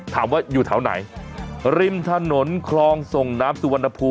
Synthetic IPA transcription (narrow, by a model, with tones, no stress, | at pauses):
t̪ʰaː˩˦mwaː˥˩juː˨˩t̪ʰa˩˦wna̰˩˦jɾi˧mt̪ʰa˧no˩˦nkʰlɔː˧ŋso˨˩ŋna˦˥p̚su˧wa˧nːʔa˧pʰuː˧